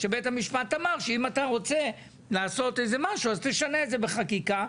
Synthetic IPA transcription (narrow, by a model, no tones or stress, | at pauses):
ʃebetamiʃpat̪amaʁʃeimat̪aʁo̞t͡se̞ | laːso̞t̪ejzemaʃuazt̪eʃane̞ːdzebeχakika